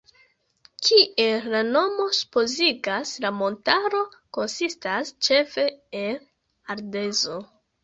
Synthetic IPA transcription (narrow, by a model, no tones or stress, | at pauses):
kʰie̞lano̞mo̞su̥po̞ziɡaslamo̞ntaɾo̞ko̞nsistast͡ʃe̞fe̞el | aɾde̞zo̞